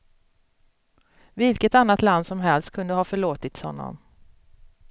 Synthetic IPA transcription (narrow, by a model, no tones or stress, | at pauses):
vɪlkət̪anːat̪land̪sɔmɦɛlst̪̚kʰɵnd̪əhɑːfœɭoːt̪ɪt̪shɔnːɔ̰m